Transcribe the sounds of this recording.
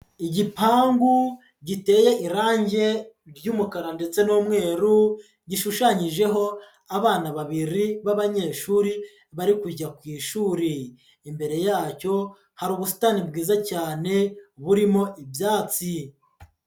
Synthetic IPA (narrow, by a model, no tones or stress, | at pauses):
iɟipaːŋɡu | ɟite̞ːje̞ʔiɾaːɲɟe̞ | ɾɟuːmukaɾande̞t͡se̞noːmŋe̞ːɾu | ɟiʃuʃaɲiʒe̞ɦo̞ | aβaːnaβaβiɾiβaβaɲe̞ːʃuːɾi | βaɾikuɟakwiːʃuːɾiː | mbe̞ɾe̞jaːco̞ | haɾuːβusu̥taːnibɡiːzacaːne̞βuɾimo̞ʔibjaːt͡si